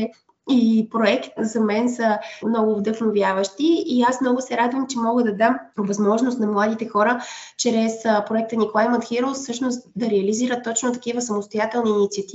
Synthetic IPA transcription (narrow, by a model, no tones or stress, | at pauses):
ipɾoɛkt̪zɐmɛnsəmnɔɡʊvd̪ɤxnovjavəʃt̪iːasmnɔɡʊsɛɾad̪vəmt͡ʃɛmɔɡəd̪ɐd̪amovɐzmɔʒnʊst̪nɐmlˠad̪it̪ɛxɔɾət͡ʃɾɛspɾoɛk̚t̪ənikolˠajmət̪xiɾəlˠsɤʃnost̪d̪ɐɾɛɐliziɾət̪ːɔt͡ʃnot̪ɐkivəsɐmost̪ojat̪ɛlˠniːnit̪siɐt̪i